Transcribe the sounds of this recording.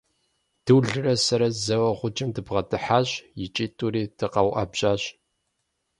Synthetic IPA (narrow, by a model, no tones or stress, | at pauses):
d̥ɨwɮɨrɐsɐɾɐzɐwɐʁʷʊt͡ʃʼɪmdɨbʁɐtʰɨħaːɕjɪt͡ʃʼiːtʼuɾiːd̥ɨqɐwʔɐ̰bɕʼaːɕ